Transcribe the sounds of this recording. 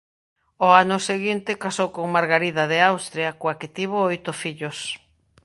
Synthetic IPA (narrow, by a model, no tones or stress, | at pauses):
oanʊseɣint̪ɪkasowkoŋmaɾɣaɾiðaðeawst̪ɾjakoaket̪iβ̞oojt̪ʊfiʎos